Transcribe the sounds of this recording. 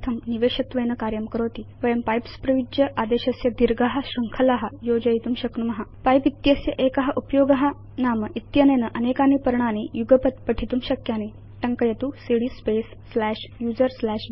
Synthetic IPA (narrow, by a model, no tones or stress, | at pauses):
t̪ʰɐmniʋeɕɐt̪ʋɐjnəkaɾjɐmkəɾoːt̪iːʋəjɐmpajpspɾɐʋid͡ʑjɐʔad̪eɕɐsjɐd̪iɾɡaɦaɕɾuŋkʰɐlaɦajod͡ʑɐjt̪umɕɐknumɐɦapajpit̪jɐsjɐʔekaɦaʔupjoːɡɐɦa | naməʔit̪jɐnenəʔənekanipəɾɳanejuɡəpət̪pəʈʰit̪uːmɕɐkjane | ʈɐŋkəjɐt̪usiɽiːspesːlæɕjuːd͡zəɾslæɕ